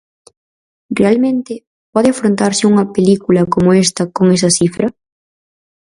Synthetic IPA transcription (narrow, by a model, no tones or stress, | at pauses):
realmẽnt̪ɪ | pɔðeafɾont̪aɾsɪuŋɐpelikulɐkomoest̪ɐkoŋɛs̬ɐθifɾɐ